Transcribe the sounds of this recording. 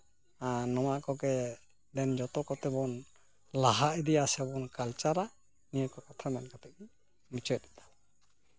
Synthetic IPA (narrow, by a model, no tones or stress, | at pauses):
anɔmaʔkɔɡɛ | d̪ɛnd͡ʒɔt̪ɔkɔt̪ɛbɔn | laɦaʔd̪ijasɛbɔnkalt͡ʃaɾa | nijəkɔkat̪ʰamɛnkat̪ɛk̚i | mit͡ʃɔt̪̚it̪ḁ